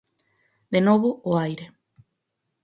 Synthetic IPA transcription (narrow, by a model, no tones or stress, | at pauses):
d̪enoβoːajɾe